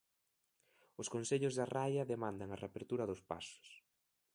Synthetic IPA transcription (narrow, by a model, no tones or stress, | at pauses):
ʊskonseʎʊzðɐrajɐðemãnd̪ɐŋɐrḛapeɾt̪uɾɐðʊspa̰sʊ̥s